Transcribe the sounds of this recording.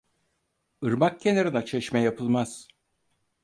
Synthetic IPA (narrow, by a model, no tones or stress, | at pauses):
ɯɾmak̚cʰːenaɾɯnat͡ʃʰeʃmɛjapʰɯlˠmaz̥